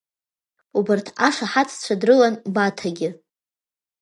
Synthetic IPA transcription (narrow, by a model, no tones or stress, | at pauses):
ubɨrtʰaʂaħat͡sʰt͡ɕʷʰadrɨlanbatʰaɡʲɪ